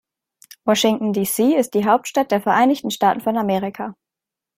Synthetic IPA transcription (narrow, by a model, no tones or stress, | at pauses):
wɔʃɪŋtn̩diːsiːɪst̚d̥iːɦaʊp̚tʃtat̚d̥eːɐfɛɐʔaɪnɪçtn̩ʃtaːtn̩fɔnameːʁɪkʰaː